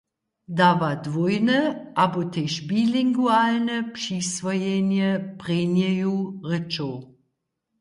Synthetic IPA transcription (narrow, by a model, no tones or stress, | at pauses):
davadvojnəʔabotʰeʃbiliŋɡualnəpʃisvɔjenjəpʁenjejuʁət͡ʃow